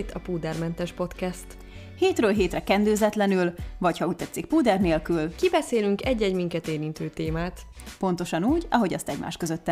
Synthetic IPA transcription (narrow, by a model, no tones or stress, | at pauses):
it̪ɒpuːd̪ɛrmɛnt̪ɛʃpo̞t̪kɛst̪ | heːt̪røːlɦeːt̪rɛkɛnd̪øːzɛt̪lɛnylvɒchɒuːc̚t̪ɛt̪sːik̚puːd̪ɛrneːlkylkibɛseːlyŋkɛɟːɛɟmiŋkɛt̪eːɾint̪øːt̪eːmaːt̪ | po̞nt̪o̞ʃɒnuːɟɒɦo̞ɟɒst̪ɛɟma̰ːʃkøzøt̪ːɛ